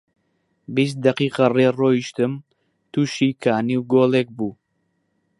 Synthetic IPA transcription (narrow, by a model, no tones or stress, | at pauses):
bist̪̚d̪ɐqiːqɐreːroːiʃt̪ɨm | t̪uːʃikʰaːniwɡoːleːk̚buː